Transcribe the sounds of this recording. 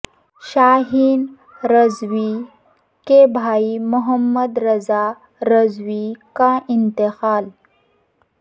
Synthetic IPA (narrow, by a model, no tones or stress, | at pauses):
ʃaːɦiːn | ɾɐzwi | kebʱaːimʊɦəmːɐd̪ɾɐzaː | ɾɐzwikãːʔɪnt̪ɪxaːl